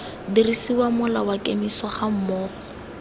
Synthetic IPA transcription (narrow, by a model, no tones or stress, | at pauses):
dirisiwamʊlawakʼemiswɔχam̩mɔːχɔ̥